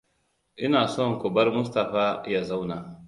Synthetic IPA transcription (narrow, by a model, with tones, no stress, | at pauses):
ʔɪ˦naː˨sɔ˦ŋ˨ko˨bɐ˦ɾmʊ˦s̬ta˨ɸaː˦ja˦za˦wna˨